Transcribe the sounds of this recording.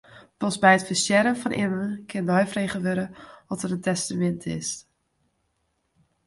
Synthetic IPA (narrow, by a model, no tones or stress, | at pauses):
pɔsbɛjətfəsjɛɾənfɔnʔɪ̰mənkʰɪnːɔjfrejχəʋøɾəɔtətəntɛstamɛntʰɪ̰s